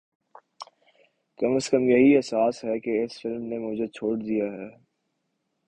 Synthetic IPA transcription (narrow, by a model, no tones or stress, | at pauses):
kɐməskəmjɐɦiɛsaːsɦɛkeɪsfɪlmnemʊd͡ʒʱet͡ʃʰoːɽd̪ijaɦɛː